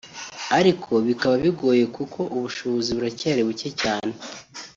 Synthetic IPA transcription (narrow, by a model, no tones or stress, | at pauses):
aɾikʰo̞βikaβaβiɡo̞ːje̞kukʰo̞ʔuβuʃoβoziβuɾacaaɾiβucecaːne̞